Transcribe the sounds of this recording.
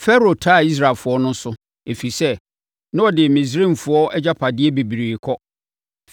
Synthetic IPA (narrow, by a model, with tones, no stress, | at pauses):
fɛ˦ɾo˨tʰa˦˨i˦s̬ɾa˨lfʊ˨˦ɔ˦nʊ̃˦sʊ˦ | e˨fi˨sɛ˦ | nã˦ɔ˨dɪ˨mĩ˨s̬ɾĩ˦˨m˨fʊ˦ɔ˦ɛ˦d͡ʑa˦pʰa˨dɪ˦ɛ˦be˨bi˨ɾiː˨kʰɔ˦